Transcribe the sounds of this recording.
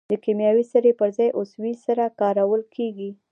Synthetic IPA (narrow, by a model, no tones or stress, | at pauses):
d̪əkemjɑwisaɾepəɾzɑjʔoswisaɾakɑɾawəlkʰeɡi